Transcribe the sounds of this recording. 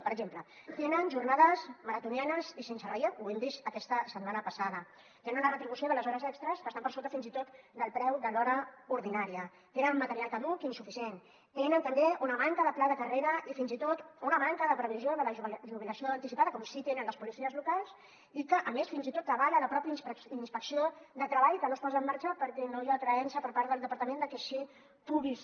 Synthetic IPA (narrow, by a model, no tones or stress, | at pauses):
pəɾəɡʒemplə | t̪enənʒurnaðəzməɾət̪unianəzisensəriauemd̪iʃt̪əkɛst̪əsət̪manəpəsað̞ə | t̪enunərət̪ɾiβusioðələzɔɾəzɛkst̪ɾəskəst̪ampəɾsolt̪̬əfinzit̪ot̪d̪əlˠpɾɛwd̪əlɔɾəuɾðinaɾiə | t̪enənmət̪əɾialˠkəðukinsufisien | t̪enənt̪əmbeunəmaŋkəðəplaðəkəreɾəʔifinzit̪ot̪unəmaŋkəðəpɾəβ̞izjoðələʒβʒuβ̞iləsioəːnt̪isipaðəkɔmsit̪enənləspulisiəzlukalˠs | ikəʔəmesfinzit̪ot̪ːəβaʎələpɾɔpjəsinspəksioðət̪ɾəβaʎkənospɔzəmːaɾt͡ʃəpəɾkɛnojat̪ɾəɛnsəpəɾpaɾðəlˠəpəɾt̪əmẽnd̪əkeʃi | puβlis